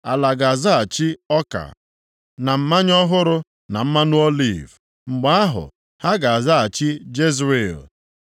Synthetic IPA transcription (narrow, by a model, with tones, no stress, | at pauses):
a˨la˨ɡa˨za˦a˨t͡ʃi˦ɔ˦ka̰˨ | na˨m̩˦ma˦ɲɔ˦ɦʊ˦ɾʊ˦ | na˨m̩˦ma˦nʊ˦ɔ˦lḭ˦˨v | ŋ͡m̩˨ɡ͡ba˦a˦ɦʊ̰˨ | ha˦ɡa˨a˨za˦a˨t͡ʃi˦d͡ʒe˦zɾe˨l